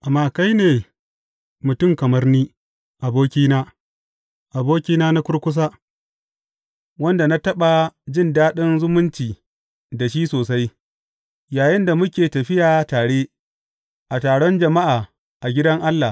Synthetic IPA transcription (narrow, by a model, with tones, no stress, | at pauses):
ʔa˨mːaː˦ka˦jneː˨ | mʊ˨tʊ˦˨mkɐ˨mɐ˦rniː˦ | ʔa˨boː˦kʲiː˦naː˦ | ʔa˨boː˦kʲiː˦naː˦na˦kʷʊ˦ɽkʷʊ˦s̬aː˦ | wɐ˦nda˨na˦tɐ˦ɓa˨d͡ʒɪ˦˨ndaː˦ɗɪ˦nzʊ˦mʊ˦nt͡ʃiː˨ | da˨ʃ̬iː˦soː˨sa˦j | jaː˨jɪ˦nda˨mʊ˦kʲeː˨tɐ˨ɸɪ˦jaː˨taː˨ɽe˦ | ʔa˨taː˨ɽɔ˦nd͡ʒɐ˨ma˦ʔaː˨ | ʔa˨ɡʲɪ˦dɐ˦ŋʔa˦lːa˨